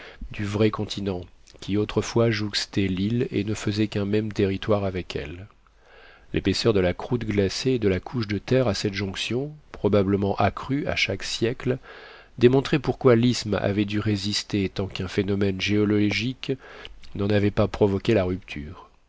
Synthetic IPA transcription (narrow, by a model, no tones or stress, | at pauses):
d̪yvʁɛkɔ̃t̪ʰinɑ̃kʲʰiot̪χəfwaʒukst̪ɛlilḛnəfəzɛkɛ̃mɛmt̪eʁit̪waʁavɛkʰɛ̰l | lʔepesœʁd̪əlakχut̪ɡlaseːd̪əlakʰuʃd̪ət̪ɛʁasɛt̪ʒɔ̃ksjɔ̃pχɔbabləmɑ̃ʔakχya̰ʃaksjɛkl | d̪emɔ̃t̪χɛpuʁkwalisma̰vɛd̪yʁezist̪et̪ɑ̃kɛ̃fenɔmɛnʒeɔlɔlɔʒik | nɑ̃navɛpapχɔvɔkʲelaʁyp̚t̪ʰyːʁ